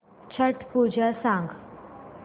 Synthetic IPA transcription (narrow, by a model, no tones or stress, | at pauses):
t͡ʃʰəʈpuːd͡ʒasãːŋɡ